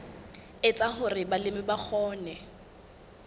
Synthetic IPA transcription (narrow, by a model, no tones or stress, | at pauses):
ɪt͡sʼaχʊrɪbalɪmɪbak͡xʰɔːnɛ